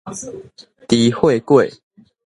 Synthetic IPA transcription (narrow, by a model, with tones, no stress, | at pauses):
t̪i˨˦hwe˥˨kwe˥˨ɪ